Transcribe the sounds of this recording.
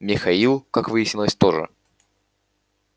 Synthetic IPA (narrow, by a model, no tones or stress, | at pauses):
mʲɪxɐilˠkakvɨjɪsʲnʲɪlˠəsʲt̪oʐɨ̰